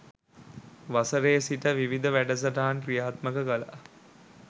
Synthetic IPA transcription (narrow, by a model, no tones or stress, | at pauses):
ʋasəɾeːsiʈəʋiʋid̪əʋæɖəs̬əʈaɦankɾijaːt̪məkəkəla̰